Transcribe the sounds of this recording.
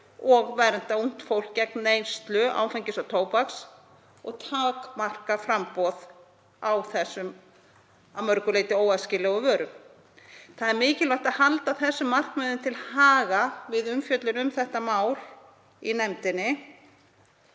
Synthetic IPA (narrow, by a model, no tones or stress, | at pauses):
ɔɣvɛɾɛn̥t̪aun̥t̪fowlkcɛk̚nːejnst̪lʏʔa̰ːwfɛjɲcɪsawt̪ʰoːwpaks | ɔ̰ɣt̪ʰaːkmar̥kafɾampɔð | awθɛsːʏm | amœɾkʏleːjt̪ɪoːwaðscɪːlɛɣʏvœːɾʏm | θaðɛɾmɪːcɪlawht̪aðhalt̪aθɛsːʏmːar̥kmɛːðʏmt̪ʰɪlhaːɣavɪðʏmfjœt̪lʏnʏmθɛht̪amaːwɾ | inɛmt̪ɪnːɪ